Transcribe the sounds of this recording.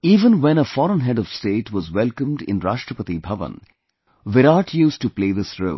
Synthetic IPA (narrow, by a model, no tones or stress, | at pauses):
iːvə̃nwɛ̃nəfɔɾə̃nɦɛɖɔʋ̥sʈeːʈwɔzwɛlˠkə̃mɖɪ̰̃nɾaːʃʈɾəpət̪ibʱʌʋə̰̃n | ʋɪɾaːʈʰjuːsʈupleːðɪsɾo̰ː